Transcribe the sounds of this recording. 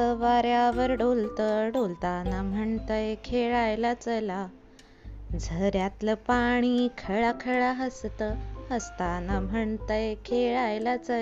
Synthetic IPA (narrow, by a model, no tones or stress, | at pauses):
əʋaɾjaʋəɾɖolt̪əɖolt̪anam̤əɳt̪əjkʰeɭajlat͡səla | d͡zʱəɾjat̪ləpaɽ̃ikʰəɭakʰəɭaɦəst̪əəst̪anam̤ʱəɳt̪əjkʰeɭajlat͡sə